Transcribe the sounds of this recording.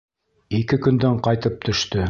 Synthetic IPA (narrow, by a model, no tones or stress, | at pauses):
ikɘkɵ̆nd̪æɴqɑjt̪ɤp̚t̪ʰɵ̆ʃt̪ɵ